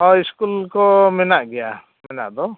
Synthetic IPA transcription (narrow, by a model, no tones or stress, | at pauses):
ɔiskulkɔmɛnaʔɡɛja | mɛna̰ʔd̪ɔ